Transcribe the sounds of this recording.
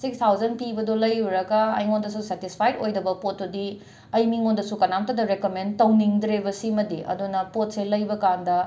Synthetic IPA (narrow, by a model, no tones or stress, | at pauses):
sikst̪ʰawzɐnpibɐdolɐjuɾɐɡɐɐ̰jŋondɐsusetispʰajdojdɐbɐpot̚ːudi | ɐjmiŋondɐsukɐnamtɐdɐɾekomentɐwniŋdɾebɐsimɐdiʔɐ̰dunɐpot̚selɐjbɐkandɐ